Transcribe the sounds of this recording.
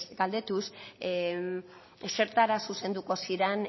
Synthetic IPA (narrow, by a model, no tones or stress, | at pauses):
ɡald̪e̞t̪us | se̞ɾt̪aɾasuse̞nd̪uko̞siɾen